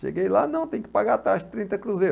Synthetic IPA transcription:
ʃḛɡejla̰nɐ̃w̃t̪ẽj̃kɪpaɡat̪aʃt̪ɾĩnt̪ɐkɾuzeɾ

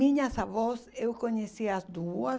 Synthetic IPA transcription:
ĩɲɐsavɔsewkoɲesiazd̪uɐ

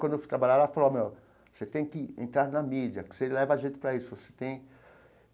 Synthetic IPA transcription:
wɐ̃d̪eft̪ɾabaʎaɾafalome | oset̪ẽj̃kɪḛ̃nt̪ɾaɾnɐmid͡ʒiɐkselɛvɐaʒẽnt͡ʃ̪ɪ̥pɾɐisʊvose̥t̪ẽj̃

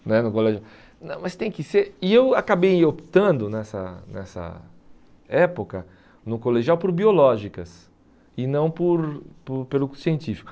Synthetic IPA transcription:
nɛnʊkolɛʒuaw | nɐ̃w̃mɐst̪ẽj̃kɪseɾɪewakabejopi̥t̪ɐ̃nd̪ʊnɛsɐ̰nɛ̰sɐ̰ | ɛpokɐ | nʊkoleʒiawpoɾbiolɔʒikɐs | ɪnɐ̃w̃pʊɾpʊɾpelʊsiẽnt͡ʃifi̥kʊ

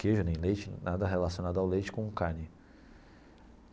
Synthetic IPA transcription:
keʒʊnẽj̃lejt͡ʃɪnad̪ɐɦelasiõnad̪ʊawlejt͡ʃɪ̥kõũkanɪ

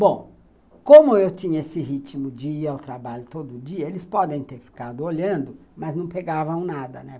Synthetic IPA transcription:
bõw̃ | kõmʊewt͡ʃĩɲɐesɪɦit͡ʃimʊd͡ʒɪiawt̪ɾabaʎʊt̪od̪ʊʊd͡ʒiɐelɪspɔd̪ẽj̃t̪eɾfi̥kad̪ʊoʎɐ̃nd̪ʊmɐznɐ̃w̃peɡavɐ̃w̃nad̪ɐnɛ

